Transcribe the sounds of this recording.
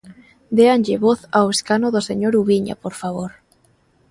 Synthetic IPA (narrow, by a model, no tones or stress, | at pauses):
d̪eanʎeβoθaweskanoðoseɲoɾuβiɲa̰poɾfaβ̞oɾ